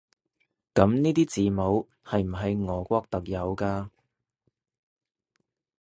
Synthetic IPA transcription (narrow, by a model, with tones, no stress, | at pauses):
kɐ˨˥mniː˥t̪iː˥t͡siː˨mo˨˧˥w | hɐ˨jm̩˨˩ɦɐ˨˧jŋɔː˨˧kʷɔː˥k̚t̪ɐ˨k̚jɐ˨˧wkaː˧